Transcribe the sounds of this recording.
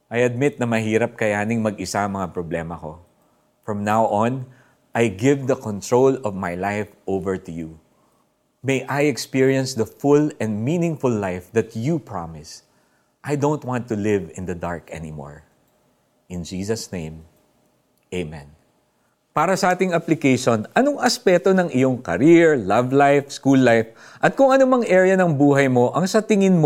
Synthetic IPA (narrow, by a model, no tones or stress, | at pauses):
ʔajɐd̪̚mɪt̪̚nɐmɐɦiːɾɐp̚kɐjaːnɪŋmɐɡɪsaɐ̃ŋmɐŋapɾɔblɛːmɐko̞ | fɹɐ̃mnawʔɔ̃n | ʔajɡɪvd̪ɐkɔ̃nt̪ɹowlɔvmajlajfʔowvɛɹt̪ʊju | mejʔajɛkspiɹiɐ̃nsd̪ɐfʊlɛ̃nd̪mĩːnɪ̃ŋfʊlːajfd̪ɐt̪jupɹɑmɪs | ʔajd̪õwnt̪̚wɑ̃nt̪ːʊlɪvɪ̰̃nd̪ɐd̪a̰ɹkɛ̰nimo̰ɹ | ʔɪ̃nd͡ʒiːsɐsnḛ̃ɪ̃m | ʔeɪmɛ̰̃n | paːɾɐsɐʔaːt̪ɪŋɐplɪkejʃonʔɐnoŋʔɐspɛt̪o̞nɐŋɪjoŋkɐ̰ɾiɹlɐvlajfskulːajf | ʔɐt̪̚kʊŋɐnomɐŋʔɛɹjɐnɐŋbuːɦɐjmo̞ʔɐŋsɐt̪ɪŋɪnm